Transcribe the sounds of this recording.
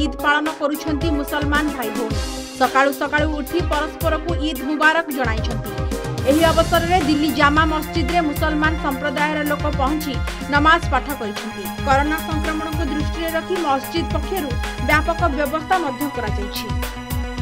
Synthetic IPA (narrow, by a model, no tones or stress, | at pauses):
id̪paɭɔnɔkɔɾut͡ʃʰɔnt̪imusɔlmanɔbʱajɦos | sɔkaɭusɔkaɭuːɾt̪ʰipɔɾɔspɔɾɔkuid̪ʱɦubaɾɔkd͡ʒɔɽ̃ajt͡ʃʰɔnt̪ieɦiɔbɔsɔɾɔɾed̪ilːid͡ʒamamɔst͡ʃid̪ɾemusɔlmansɔmpɾɔd̪ajɔɾɔlokɔpɔɦɔnt͡ʃi | nɔmaspaʈʰɔkɔɾit͡ʃʰɔnt̪ikɔɾonasɔŋkɾɔmɔɽ̃ɔkud̪ɾusʈiɾeɾɔt̪ʰimɔst͡ʃid̪̚pɔkʰːjɔɾubjapɔkɔbjɔbɔst̪ʰamɔd̪ʱjɔkɔɾat͡ʃɔjt͡ʃʰi